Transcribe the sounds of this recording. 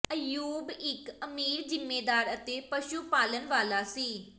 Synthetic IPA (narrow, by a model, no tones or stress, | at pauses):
əjuːbɪkəmiːɾzɪmːeːd̪aːɾət̪eːpəʃuːpaːlənʋaːlaːsiː